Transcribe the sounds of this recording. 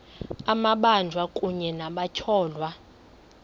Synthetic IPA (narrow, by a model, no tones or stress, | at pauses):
amaɓand͡ʒʱwakʼuɲɛnaɓat͡ʃʰɔːlwa